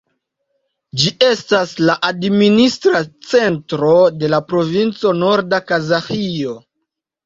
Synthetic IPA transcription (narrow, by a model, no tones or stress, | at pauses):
d͡ʒiʔe̞staslaʔadministɾat͡se̞ntɾo̞de̞lapɾo̞vint͡so̞no̞ɾdakazaxio̞